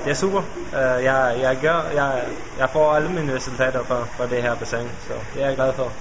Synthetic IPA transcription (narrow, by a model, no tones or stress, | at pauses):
d̥e̝æɐsṵːb̥ɐ | øjɑɪjɑ̈ɪɡ̥jɶɐ̰jɑɪ | jɑ̈ɪfɒ̰ːæləmiːnəʁɛsul̩t͡sʰɛ̰ːd̥ɐfɒfɒ̽d̥eɦæɐb̥æsɑŋ̰sɒ̽d̥e̝æɐɡ̥læð̞ˠfɒ